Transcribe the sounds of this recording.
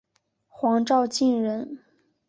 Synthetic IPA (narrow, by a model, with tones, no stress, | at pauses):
xwɑ˧˥ŋʈ͡ʂɑ˥˧ʊt͡ɕi˥˩nɻə˧˥n